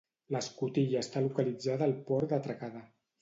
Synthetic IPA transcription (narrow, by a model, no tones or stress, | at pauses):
ləskut̪iʎəːst̪alukəlid͡zaðəːlˠpɔɾd̪ət̪ɾakaða